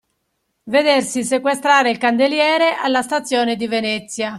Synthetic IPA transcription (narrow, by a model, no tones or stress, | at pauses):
ved̪ersisekwest̪ɾaːɾeilkand̪eljɛːɾeʔalːast̪at̪sːjɔːned̪ivenɛt̪sːja